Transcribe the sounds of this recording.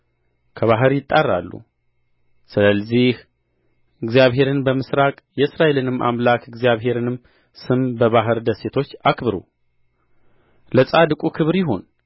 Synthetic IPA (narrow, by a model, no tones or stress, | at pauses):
kʰəβaɦɨɾjɪt̪ʼːarːa̰lːṵ | sɨləzih | ɨɡzjaβɦe̞ɾɨnbəmɨsɾakʼjɛɨsɾae̞lɨnɨmːʔa̰mlakʰɨɡzijaβɦe̞ɾɨnɨmː | sɨmbəβaɦɨɾd̪əse̞t̪ʰo̞t͡ʃːakʰbɨɾṵ | ləsʼad̪ɨkʼukʰɨβɾjɪɦo̞n